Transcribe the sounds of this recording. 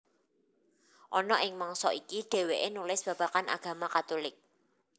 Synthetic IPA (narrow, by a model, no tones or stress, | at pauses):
ʔɔnɔʔɪŋmaŋsɔʔikiɖ̥e̤weʔenulɪsb̥ä̤b̥a̤kana̰ɡ̥ä̤makat̪ulɪk̚